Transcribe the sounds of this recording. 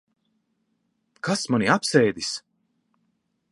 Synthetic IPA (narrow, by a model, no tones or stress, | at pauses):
kʰasmaniapsɛːjd̪is